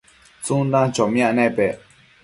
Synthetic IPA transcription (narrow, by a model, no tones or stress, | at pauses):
t͡sũnd̪ãt͡ʃomĩãnẽpe